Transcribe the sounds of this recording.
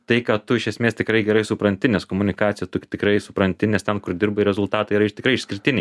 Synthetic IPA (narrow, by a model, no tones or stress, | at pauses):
t̪ɐɪkɐt̪ʊɪʃʲɛsʲmʲeːst̪ʲɪkɾɐɪɡʲɛɾɐɪsʊpɾɐnʲt̪ʲɪnʲɛskoːmʊnʲɪkɑːt͡ssʲɪjɛt̪ʊkʲt̪ʲɪkɾɐɪsʊpɾɐnʲt̪ʲɪnʲɛst̪ʲɛnkʊrd̪ʲɪrbɐɪɾʲɛzʊlˠt̪ɑːt̪ɐiɾɐɪʃt̪ʲɪkɾɐɪɪʃsʲkʲɪɾʲɪt̪ʲɪnʲɛɪ